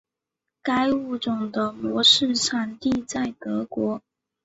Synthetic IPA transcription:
ka˥ɪu˥˩ʈ͡ʂʊ˨˩ŋd̪ə˦mwɔ˧˥ʂɻ̩˥˧ʂa˧˥nt̪i˥˧t͡sa˥˩ɪt̪ɤ˧˥kwɔ˧˥

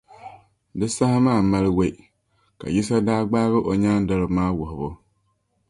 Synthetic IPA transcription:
dɨ˦sa˦hɪ˦maː˦˨ma˦lɪ˦we˦˨ | ka̰˨ji˦sa˦daː˦ɡ͡baː˦ɣɪ˦ʔo˨ɲa˦n˦dɔ˦lɪ˨maː˦wʊ˨ɦʊ˨bʊ˦

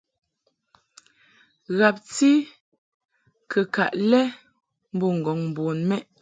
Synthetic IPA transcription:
ɣa˨p̚ti˦ | kʰə˨ka˨ʔlɛ˦ | m̩˦bu˦˨ŋ̩˨ɡɔ˨ŋm̩˨bɔ˨nmɛ˦ʔ

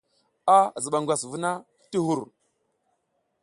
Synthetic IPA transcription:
a˦˨zə˨ɓa˨ŋɡʷa˨svu˦na˦ | ti˦ɦu˦˨ɾ

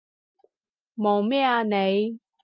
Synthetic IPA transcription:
moː˨˩mɛː˥a˧ne˨˧j

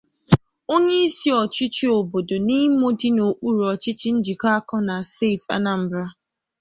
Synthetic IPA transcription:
o˦ɲe˦i˦si˦ɔ˨t͡ʃɪ˦t͡ʃi˦o˨bo˨do˨ni˦mo˦di˦no˨k͡pu˦ɾu˨ɔ˨t͡ʃɪ˦t͡ʃi˦n̩˦d͡ʒi˨ka˦a˦kɔ˦na˨ste˦˨ta̰˦na˨m̩˦bɾa˦

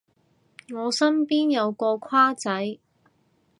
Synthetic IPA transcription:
ŋɔː˨˧sɐ˥mpiː˥njɐ˨˧wkɔː˧kʰwaː˥t͡sɐ˨˥j

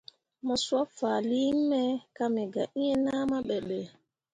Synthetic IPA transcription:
mɔ˨swa˦fa˨li˦m˦mɛ˦ka˦mɛ˨ɡa̰˨ʔi˦ɛ˦naː˦ma˦ɓɛ˨ɓɛ˨

